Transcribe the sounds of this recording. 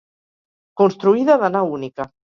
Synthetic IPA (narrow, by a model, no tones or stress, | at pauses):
konst̪ɾuiðaðanaunika